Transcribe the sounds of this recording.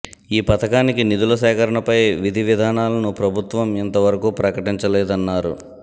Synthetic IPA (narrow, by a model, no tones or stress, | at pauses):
iːpɐt̪ɐkaːnikinid̪ulɐsɛːkʰɐɾɐɳɐpɐjʋid̪ʱiʋid̪ʱaːnaːlɐnupɾɐbʱut̪ʋɐmɐnt̪ɐʋɐɾɐkupɾɐkɐʈiɲt͡ʃɐlɛːd̪ɐnːaːɾṵ